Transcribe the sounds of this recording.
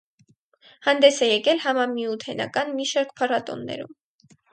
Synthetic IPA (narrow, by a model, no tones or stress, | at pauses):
hɑnd̪ɛsɛjɛkɛlhɑmɑmiut̪ʰɛnɑ̰kɑnmiʃɑɾk̚pʰɑrɑt̪ɔ̰nːɛ̰ɾum